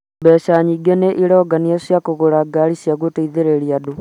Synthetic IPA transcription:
bɛʃaɲiɡeneʔiɾɔɡaniasjakoɣoɾaɡaɾisjaɣuteiðeɾeɾiadu

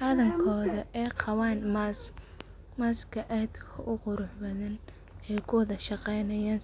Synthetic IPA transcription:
ħɑðɐŋkʰɔːðɐʔɛːqʰɑwɑːnmas | maːskʰɐʔɛːd̪kʰɐʔʊqʊɾʊħbɐðɐn | ɛjkʰʊðɐʃɑqɛjnɐjaːn

